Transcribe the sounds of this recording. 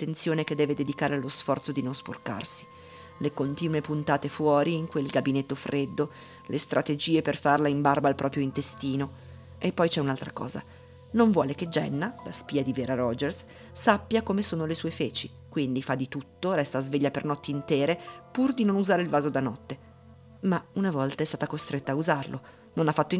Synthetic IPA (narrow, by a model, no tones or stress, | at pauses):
t̪ːent̪sjoːneked̪ːɛːved̪ed̪ikaːɾealːosfɔrt̪sod̪inonspo̰rka̰rsi̥ | lekont̪iːnuepunt̪aːt̪efwɔːɾiːŋkwelɡabinet̪ːofɾʔed̪ːo | lʔest̪ɾʔat̪ed͡ʒiːeperfarlaimbarbaːlpɾʔɔːpɾjoint̪est̪iːno | epːɔjt͡ʃɛunalt̪ɾakɔ̰ːza̰ | noɱvwɔːleked͡ʒɛ̰nːala̰spiːad̪iveːɾaɾɔd͡ʒɛrsː | apːjakomesoːnolesuːefeːt͡ʃi | kwind̪ifad̪ːit̪ut̪ːoɾɛst̪aːzveʎːapernɔt̪ːeint̪ɛːɾepurd̪inonuzaːɾeilvaːzod̪anɔt̪ːe | maunavɔlt̪aɛst̪aːt̪akost̪ɾʔet̪ːaːuzarlʔo | nonafːat̪ːo